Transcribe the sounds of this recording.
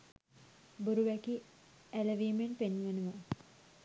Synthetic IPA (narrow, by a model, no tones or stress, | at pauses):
buɾuʋɛki | æləʋiːmenpenːʋənuʋə